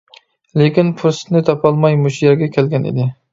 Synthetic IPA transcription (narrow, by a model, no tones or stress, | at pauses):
lekʲinpʰuɾsɪ̥nɪt̪ʰɑpʰɑlˠmɑjmuʃijɛɾɡʲɛkʲʰɛlɡʲɛnɪ̰d̪ɪ